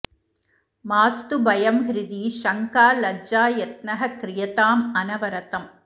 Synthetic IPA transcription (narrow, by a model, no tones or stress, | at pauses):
maːst̪ubɐjɐmɦɪɾɯðiʃɐŋkaːlɐd͡ʒaːjɛt̪̚nɐɦɐkɾɪjɐt̪aːmɐnɐʋɐɾɐt̪ɐm